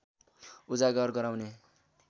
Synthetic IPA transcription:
ud͡zaɡʌrɡʌɾawne

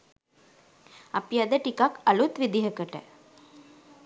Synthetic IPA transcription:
ɐpiɐd̪əʈikakɐlut̪ʋid̪iɦəkəʈə̰

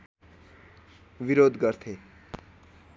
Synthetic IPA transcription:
biɾod̪ɡʌrt̪ʰe

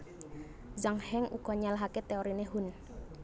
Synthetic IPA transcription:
zaŋhɛŋṵɡ̥ɔ̤ɲalaɦaket̪eoɾinehun

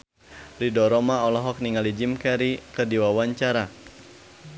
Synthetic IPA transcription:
ridɔɾɔmaɔlɔɦɔk̚niŋalid͡ʒimkɛɾikədiwawaɲt͡ʃaɾa

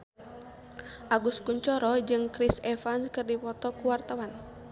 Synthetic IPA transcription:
ʔaɡuskuɲt͡ʃɔɾɔd͡ʒɨŋkɾisɛfanskɨrdipɔt̪ɔkuwart̪awan

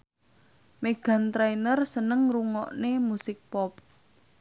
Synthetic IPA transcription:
meɡ̥a̤nt̪ɾajnərsənəŋruŋɔʔnemusɪk̚pɔp̚

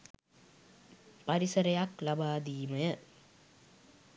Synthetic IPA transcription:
pɐɾisɐɾɐjaklɐbaːd̪iːmɐjɐ

